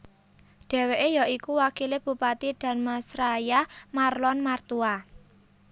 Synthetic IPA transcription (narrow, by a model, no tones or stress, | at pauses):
ɖ̥e̤weʔejɔʔikuwakileb̥ṳpat̪id̪̥a̤nmasɾajamarlɔnmart̪ua